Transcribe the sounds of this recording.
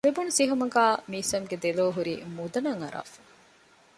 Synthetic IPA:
lebunusiɦumɐɡaːmiːsɐmɡed̪eloːɦuɾḭːmud̪ɐnɐŋɐɾa̰ːfu̥

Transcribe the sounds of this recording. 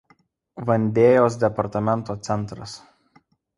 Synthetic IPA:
ʋɐnʲd̪ʲeːjoːs̬d̪ʲɛpɐɾt̪ɐmʲɛnˑt̪oːt̪sʲɛnˑt̪ɾɐs

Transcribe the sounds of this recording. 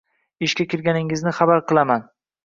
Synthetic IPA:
ɪʃkʲakʲɪɾɡʲanɪŋɪznɪχabaɾqʰɨlˠaman

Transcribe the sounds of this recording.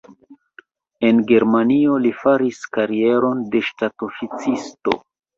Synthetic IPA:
e̞nɡe̞ɾmanio̞lifaɾiskaɾie̞ɾo̞nde̞ʃtatofit͡sisto̞̰

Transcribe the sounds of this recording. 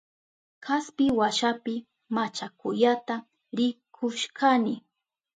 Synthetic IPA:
kaspɪwaʃapɪ | mat͡ʃakʊjat̪a | ɾɪkʰʊʃkanɪ

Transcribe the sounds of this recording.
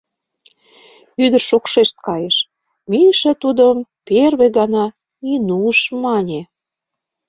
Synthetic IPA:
yd̪ə̆rʃokʃeʃt̪̚kɑjeʃ | miʃĕt̪ud̪əmperβeɣɑnɑ | inuʃmɑnʲe

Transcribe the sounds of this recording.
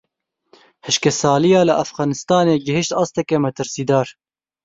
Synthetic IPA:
hɨʃkɛsɑːlijɑːləʔafɣɑːnɨst̪ɑːneːɡɪɦɪʃt̪ɑːst̪ɛkɛmɛt̪ɨɾsiːd̪ɑːɾ

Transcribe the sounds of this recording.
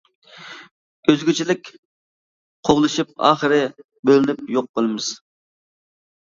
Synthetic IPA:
øzɡʲyt͡ʃʰilɪkʲ | qʰoʁlˠɨʃip̚ɑ̰ːχəɾɪ | bølɪnɪp̚joq̚bolˠɨmɪz̥

